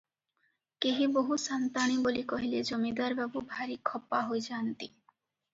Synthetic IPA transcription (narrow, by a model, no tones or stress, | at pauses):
keɦiboɦusant̪aɽ̃ibolikɔɦiled͡ʒɔmid̪aɾbɛbubʱaɾikʰɔpːaɦojd͡ʒaːnt̪i